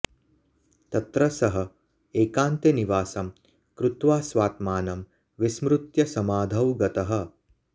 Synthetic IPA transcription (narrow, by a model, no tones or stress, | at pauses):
t̪ɐt̪ɾɐsɐɦɐ̆ | eːkaːnt̪eniʋaːsɐm | kɾut̪ʋaːsʋaːt̪maːnɐm | ʋismɾut̪jɐsɐmaːd̪ʱɐwɡɐt̪ɐɦɐ̆